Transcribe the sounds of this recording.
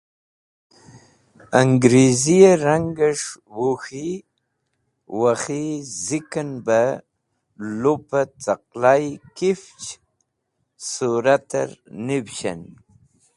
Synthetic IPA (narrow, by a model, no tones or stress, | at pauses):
aŋɡɾezijaɾaŋɡaʂwoxi | waxizikanba | lopat͡saqlajkift͡ʃ | suɾat̪a̰ɾnibɕa̰n